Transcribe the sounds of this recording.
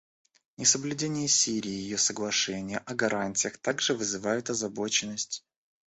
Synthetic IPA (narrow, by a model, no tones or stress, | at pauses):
nʲɪsəblʲʉdʲenʲɪjəsʲiɾʲɪːjɪjosəɡlˠɐʂɛnʲɪjəʔɐɡɐɾanʲtʲɪjəxt̪aɡʐɨvɨzɨvajʊt̪ɐzɐbo̞t͡ɕɪnːəsʲtʲ